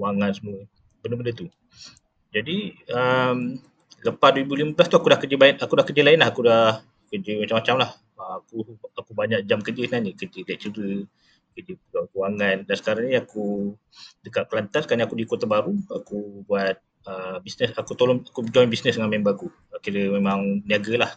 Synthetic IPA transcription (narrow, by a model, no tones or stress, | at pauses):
waŋansəmuə | bəndəbəndət̪u | d͡ʒadiəm | ləpasduwəɾibuliməblast̪uakudahkəd͡ʒibaɪt̪̚akudahkəd͡ʒilaɪnlahakudah | kəd͡ʒimat͡ʃamːat͡ʃamlah | əakuakubaɲaʔ̚d͡ʒamkəd͡ʒisənaɲəkəd͡ʒilajaʔt͡ʃəɾə | kəd͡ʒəpuɡakuaŋandansə̥kaɾaŋnĩaku | dəkaʔkəlant̪asəkaniakudikot̪abaɾuakubuat̪̚ | əbisnəsakut̪olɔŋakud͡ʒɔjnbisnəsdəŋanmembaku | əkiɾəmemaŋniaɡəlah